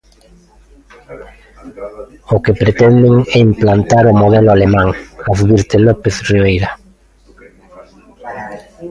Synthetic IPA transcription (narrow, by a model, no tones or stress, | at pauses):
okepɾet̪ɛnd̪eŋɛimplant̪aɾomoðɛlʊalemãŋaθβiɾt̪elopeθriβejɾa